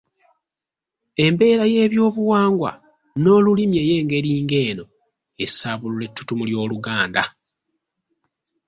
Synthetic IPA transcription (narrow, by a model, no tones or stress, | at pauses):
e̞mbe̞ːɾaje̞ːβjo̞ːβuwaːŋɡwa̰ | no̞ːlulimje̞je̞ːŋɡe̞ɾiːŋɡe̞ːno̞ | e̞saːβulule̞tʰːu̥tumuljo̞ːluɡaːnda̰